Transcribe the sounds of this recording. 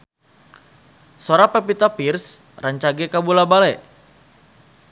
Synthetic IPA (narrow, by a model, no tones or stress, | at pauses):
soɾapɛpit̪apirs | raɲt͡ʃaɡɛkabulabalɛ